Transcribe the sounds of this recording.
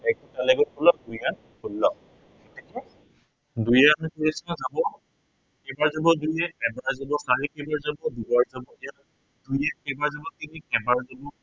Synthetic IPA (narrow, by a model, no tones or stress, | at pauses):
ɛk̚utalɛɡɔkɔlɔdujan | kulːɔ | ɛtɛkɛ | dujankoɹisnɔzabɔ | kɛbaɹzabɔdujɛkɛbaɹzabɔsalikɛbaɹzabɔdubaɹzabɔɛja | d̥ujɛkɛbaɹzabɔtinikɛbaɹzabɔ